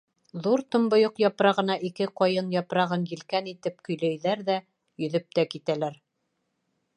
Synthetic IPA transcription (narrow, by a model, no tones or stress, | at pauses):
ðuɾt̪ŏmbŏjoqjɑpɾɑʁɤ̆nɑʔikɘqɑjɤnjɑpɾɑʁɤnjɘ̆lkænit̪ɘp̚kɵ̆jlæjðæɾðæ | jɵ̆ðɵp̚t̪ækit̪ælæɾ